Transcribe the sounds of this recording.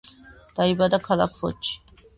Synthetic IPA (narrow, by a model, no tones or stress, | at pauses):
d̪̥aibad̪akʰala̰kʰbɔ̰t͡ʃʰː